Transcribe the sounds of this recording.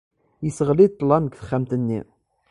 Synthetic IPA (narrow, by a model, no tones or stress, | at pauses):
jəsəʁlid̪̚t̪ˤːlɑnəɡθə̥χːæmt̪ənːḭ